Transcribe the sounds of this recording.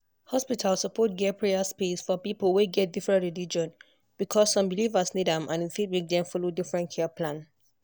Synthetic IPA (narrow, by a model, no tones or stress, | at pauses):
hɔspitʰalsːəpʰɔt̚ɡɛpʰɹeaspesfɔpipəlˠweɡɛt̚difɹɛ̃ntɹilid͡ʒɔ̃n | b̥ikʰɔsːɔ̃mbilivəsnidãmʔã̰nĩnfid̚mik̚dɛ̃mfɔlodifɹɛ̃ntkʰɛpʰlãn